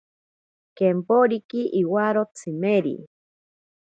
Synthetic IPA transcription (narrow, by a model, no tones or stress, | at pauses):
kempoɾikiʔiwaɾot͡sʰimeɾḭ